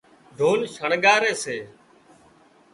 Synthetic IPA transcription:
d̪ʱoːnʃʰəɳɠaːɾeːseː

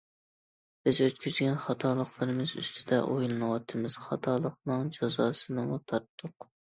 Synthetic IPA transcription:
b̥ɪzøt̪̚kʲyzɡʲɛnχɑt̪ʰɑːlˠəχlˠɨɾɨmɨzy̰st̪ʰɪd̪ɛ̰ʔojlˠɨnɨwɑt̪ʰɨmɨz̥χɑt̪ʰɑːlˠəqnɨŋd͡ʒɑzɑːsɨnɨŋt̪ʰɑɾt̪ʰːʊq

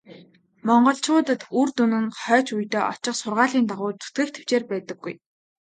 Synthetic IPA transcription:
mɔɴɢɞ̆ɬt͡ɕʊːt̪ə̆t̪urt̪unɘ̆nχœːt͡ɕujt̪eːʔɔ̰t͡ɕɪ̆χsʊrʁaːɮiːnt̪aʁʊːt͡su̥t̪ɡĕːkt̪ʰe̥w̥t͡ɕeːrpæːt̪ə̆ɡːuj

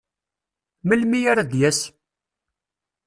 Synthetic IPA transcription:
məlmijaɾad̪jæs

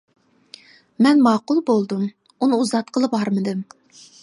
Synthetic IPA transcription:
mɛnmɑːqʊlˠbolˠd̪um | unɨuzɑt̪̚qʰəlˠəpɑɾmɨd̪ɨm

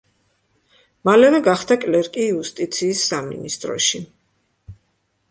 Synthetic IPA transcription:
malɛvɛɡaχd̪akʼlɛɾkʼiːust̪ʼit̪sʰiːsːamḭnist̪ʼɾɔ̰ʃi

